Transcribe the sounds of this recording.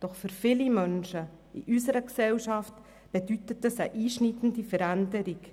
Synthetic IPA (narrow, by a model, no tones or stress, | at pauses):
d̥ɔχfʏɾfɪlimœnʃə | ḭʔysəɾəksɛlʃɑft | b̥ɛdytətːəsəʔiːʃnitən̩difəɾændəɾɪk